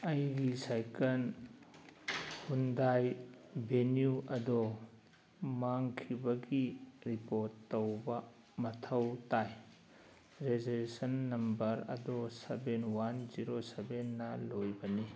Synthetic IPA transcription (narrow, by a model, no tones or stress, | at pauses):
ɐjɡisajkɐl | hundajbʱenjuʔɐdo | maŋkʰibɐɡiɾipoɾtːɐwbɐ | mɐtʰɐwtaj | ɾezolesɐnːɐmbɐɾɐ̰dosebenwanziɾosebenːɐlojbɐni